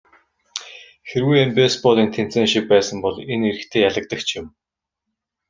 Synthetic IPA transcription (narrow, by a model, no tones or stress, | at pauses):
xeɾwujempespɔːɮiːnt̪ʰen̥t͡seːŋʃik̚pæːsə̆mpɔɮeneɾɘ̆kt̪ʰeːjaɮə̆k̚t̪ə̆kt͡ɕʰjɪ̆m